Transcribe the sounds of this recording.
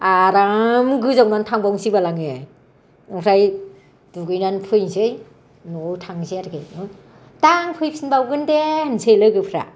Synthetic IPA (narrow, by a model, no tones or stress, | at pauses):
aɾamɡɯzawnantʰaŋbawsibalaŋe | ɯŋɾaj | duɡɯjnanpʰɯjnzɯj | nɔtʰaŋzeaɾɡɯjɯ | taŋpʰɯjpʰsinbawɡɯndehnsejlɯɡɯpʰɾa̰